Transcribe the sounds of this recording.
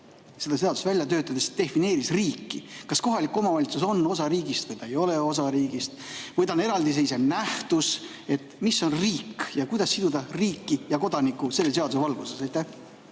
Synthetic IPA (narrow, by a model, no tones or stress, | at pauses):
se̞d̪̥ɑse̞ɑd̪ust̪vælʲjɑt̪ø̞ːt̪ːˑɑd̪̥esd̪̥e̞fine̞ːɾisriːkːikɑsko̞ɦɑlikːˑo̞mɑvɑlʲit̪suso̞nːo̞sɑɾiːɡist̪vɨjt̪ɑejo̞le̞o̞s̬ɑɾiːɡist̪vɯjt̪ɑne̞ɾɑld̪is̬eis̬enæht̪us | e̞t̪ːmisːo̞nriːkjɑkujd̪ɑsːid̪̥ud̪ɑriːkːijɑko̞d̪̥ɑnikːˑuse̞lːe̞s̬e̞ɑd̪usevɑlɡ̥use̞sɑjt̪ːˑæh